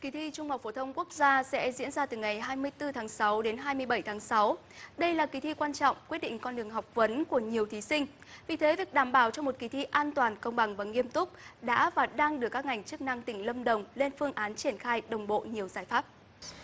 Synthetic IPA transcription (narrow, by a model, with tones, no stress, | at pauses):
ki˨˦t̪ʰi˧t͡ɕʊ˧ŋ͡mha˨˩k͡p̚fo˧˩˦t̪ʰə˧wŋ͡mku˦˥ək̚zaː˧sɛ̰˧˥zḭ˧˥ənzaː˧t̪ɨ˨˩ŋa˨˩jɦaː˧jmɨ˧əjt̪ɨ˧t̪ʰaː˨˦ŋsa˨˦wɗe˨˦nɦaː˧jmɨ˧əjɓə˧˩jt̪ʰaː˨˦ŋsa˨˦w | ɗə˧jlaː˨˩ki˨˦t̪ʰḭ˧˨kwaː˧nt͡ɕɔ̰˧˨wŋ͡mkwt̚ɗḭ˧˨ŋ̟kɔ˧nɗɨ˨˩əŋɦɔ˨˩wk͡p̚və˨˦nku˧˩əɲi˨˩əwt̪ʰi˨˦sï˧ŋ̟ | vi˨˩t̪ʰe˨˦vi˨˩ək̚ɗaː˧˩mɓaː˧˩wt͡ɕɔ˧ŋ͡mmo˨˩t̚ki˨˦t̪ʰḭ˧ʔaː˧nt̪waː˨˩nkə˧wŋ͡mɓa˨˩ŋvaː˨˩ŋi˧əmt̪ʊ˦˥k͡p̚ɗa̰ː˧˥vaː˨˩ɗaː˧ŋɗɨ˨˩əkːaː˦˥k̚ŋa˨˩jŋ̟t͡ɕɨ˦˥k̚na˧ŋt̪ï˧˩ŋ̟lə˧mɗə˨˩wŋ͡mle˧nfɨ˧əŋʔaː˨˦nt͡ɕi˧˩ənxaː˧jɗə˨˩wŋ͡mɓo̰˧˨ɲi˨˩əwzaː˧˩jfaː˦˥p̚